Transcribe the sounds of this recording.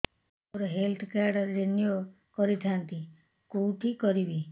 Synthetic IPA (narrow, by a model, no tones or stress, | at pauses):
oɾɔɦelt̪ʰkaɾɖɾːenjo | kɔɾit̪ʰant̪i | kowʈʰikɔɾibi